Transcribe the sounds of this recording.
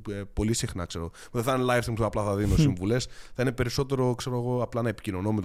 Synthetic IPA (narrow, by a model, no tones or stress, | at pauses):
po̞lisixnɐ̰kse̞ɾoɣopðθɐnlɐjfstimpɐplɐθɐðinosiɱvule̞sθɐine̞pe̞ɾiso̞t̪e̞ɾo̞kse̞ɾoeɣo̞ɐplɐnɐepicino̞nomet̪